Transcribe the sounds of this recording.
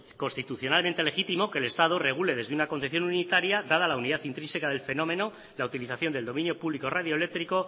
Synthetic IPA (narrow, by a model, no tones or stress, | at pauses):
ko̞nst̪it̪uθjonalment̪e̞le̞xit̪imo̞ke̞ːle̞st̪að̞ore̞ɣ̞ule̞ðe̞zðe̞unako̞n̟θe̞θjo̞nunit̪aɾjaðað̞alauniðaθint̪ɾisekaðe̞lfe̞no̞me̞no̞ | lawt̪iliθaθjond̪eld̪o̞mĩnjo̞puβliko̞raðjole̞k̚t̪ɾiko̞